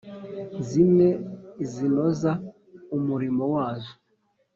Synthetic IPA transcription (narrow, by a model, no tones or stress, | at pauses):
zimezinoza | umuɾimowaːzo